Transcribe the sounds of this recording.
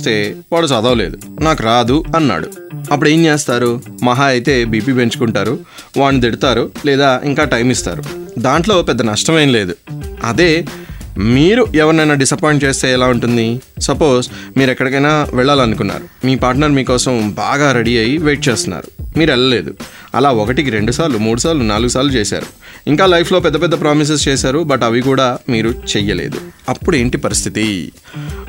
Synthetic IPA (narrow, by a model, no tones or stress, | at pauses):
st̪e̞ːʋaːɭːusɐd̪aːle̞̰ːd̪unaːkuɾaːd̪uɐnːa̰ːɽṵɐpːuɽeːɲt͡ʃeːst̪aːɾumɐɦaːɐjt̪e̞ːbiːp̬iːpe̞ɲt͡ʃu̥kuɳʈaːɾu | ʋaːɳːid̪eɽit̪aːɾulɛːd̪aːʔḭŋkaːʈɐjmist̪a̰ːɾud̪aːɳʈlo̞ːpɛd̪ːɐnɐʂʈɐmeːnle̞ːd̪uɐd̪e̞ː | miːɾuɛʋɐɾnɐjnaːɖisɐpajɳʈt͡ʃe̞ːst̪eːɛlaːuɳʈund̪isɐpo̞ːzmiːɾɛkːɐɽɐkɐjnaːʋɛɭːaːlɐnukunːa̰ːɾumiːpaːɾʈnɐɾmiːkɔːsɐmba̰ːɡaːɾeɽiɐjiʋeːʈ̚t͡ʃeːst̪unːa̰ːɾu̥miːɾɛɭːɐle̞ːd̪u | ɐ̰laːɔkɐʈikiɾeɳɖusaːɾlumuːɽusaːɾlunaːluɡusaːlut͡ʃeːsa̰ːɾuiŋkaːlɐjpʰlo̞ːpɛd̪ːɐp̬ɛd̪ːɐpɾaːmis̬es̬t͡ʃeːsaːɾubɐʈɐʋik̬uːɽaːmiːɾut͡ʃɛjɐlḛːd̪ṵɐpːuɽe̞ːɳʈipɐɾist̪ʰit̪i